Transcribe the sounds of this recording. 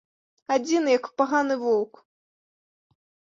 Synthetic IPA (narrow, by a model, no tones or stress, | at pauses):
ad͡zʲinɨjɐkpaɣanɨvɔwk